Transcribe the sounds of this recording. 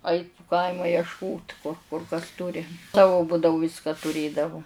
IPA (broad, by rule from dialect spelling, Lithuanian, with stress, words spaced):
ˈɐɪt pʊ ˈkɐɪmɐ jɛʃˈkoːt kʊr kɐs ˈtʊrʲɪ ˈsɑːʋʊ ˈbʊdɐʋʊ ˈʋʲɪskɐ tʊˈrʲeːdɐʋʊ